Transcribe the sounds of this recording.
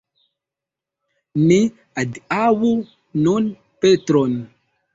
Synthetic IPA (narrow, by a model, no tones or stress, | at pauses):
mi | aawu | non | petɾɔn